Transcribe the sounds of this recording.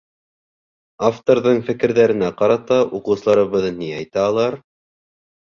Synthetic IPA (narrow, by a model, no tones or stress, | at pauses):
aft̪oɾðɤɴfɘ̆kɘ̆ɾðæɾɘ̆næqɑɾɑt̪ɑʔuqɤ̆wsɤ̆lˠɑɾɤ̆βɤðɤniɑjt̪æːlˠɑɾ